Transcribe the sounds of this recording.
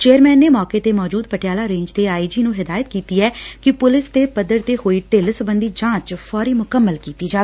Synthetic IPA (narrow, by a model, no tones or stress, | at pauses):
t͡ʃeːəɾmɛːnːeːmɔːkeːt̪eːmɔːd͡ʒuːd̪̚pəʈɪjaːlaːɾẽːɲd͡ʒt̪eːaːiːd͡ʒiːnũːɦɪd̪aːjət̪kiːt̪iːɛːkɪpʊlɪst̪eːpəd̪ːəɾt̪eːhoːiːʈelsəbənd̪iːd͡ʒãːt͡ʃpʰɔːɾiːmʊkəmːəlkiːt̪iːd͡ʒaː